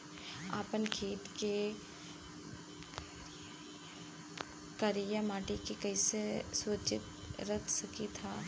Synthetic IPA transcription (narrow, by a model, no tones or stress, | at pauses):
a̰ːpənkʰiːt̪ke | kaɾijamaːʈikikɐisesoːt͡ʃɪt̪ | ɾɐkʰsɐkit̪ʰaː